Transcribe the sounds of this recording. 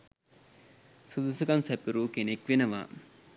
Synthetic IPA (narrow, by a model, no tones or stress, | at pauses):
sud̪usuɡansɛpiɾuːkenekʋenəʋa̰ː